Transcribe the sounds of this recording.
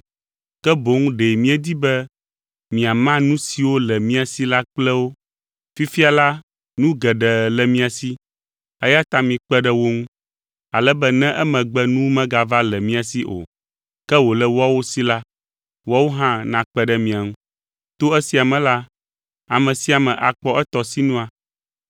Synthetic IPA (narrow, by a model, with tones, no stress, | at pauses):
kɛ˦bo˨ŋũ˦ɖe˨mĩ˦ɛ˦d̪i˦bɛ˦ | mĩ˨a˨mã˦nũ˦si˨wo˦lɛ˨mĩ˦a˨si˦la˦k͡plɛ˦wo˦ | fi˦fi˦a˨la˦ | nũ˦ɡɛ˨ɖɛ˨lɛ˨mĩ˦a˨si˦ | ɛ˦ja˦t̪a˦mĩ˨k͡pɛ˦ɖɛ˦wo˦ŋũ˦ | a˨lɛ˦bɛ˦nɛ̃˦ʔɛ˦mɛ̃˨ɡ͡bɛ˦nũ˦mɛ̃˦ɡa˦˨va˦lɛ˨mĩ˦a˨si˦ʔo̰˨ | kɛ˦wo˨lɛ˦wa˦wo˦si˦la˦ | wa˦wo˦ɦã˦nã˨k͡pɛ˦ɖɛ˦mĩ˨a˨ŋũ˦ | t̪o˦ɛ˦si˨a˨mɛ̃˨la˦ | a˨mɛ̃˨si˦a˨mɛ̃˨ʔa˨k͡pɔ˦ʔɛ˦t̪ɔ˨si˦nũ˦a˨